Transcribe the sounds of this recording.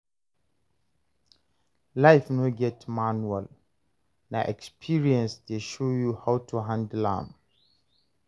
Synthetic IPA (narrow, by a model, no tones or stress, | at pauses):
laɪfnoɡɛtʰmãnuɛl | naʔɛ̰kspʰiɹiɛ̃nsdeʃojuhaʊtʰuɦãndlã̰m